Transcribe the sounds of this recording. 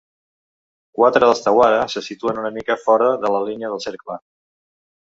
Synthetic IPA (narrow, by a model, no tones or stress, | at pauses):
kwat̪ɾəðəst̪əwaðəsəsit̪uənunəmikəfɔɾəðələliniəðəlˠseɾklə